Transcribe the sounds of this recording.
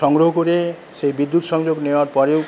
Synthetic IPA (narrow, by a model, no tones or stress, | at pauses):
ɔŋɡɾoɦokuɾe | seibid̪ːut̪ɔsɔŋd͡ʒoɡnebaɾpɔɾew